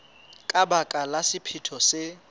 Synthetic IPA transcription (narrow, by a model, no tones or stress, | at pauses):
kʼabakʼalasɪpʰitʰɔsɪ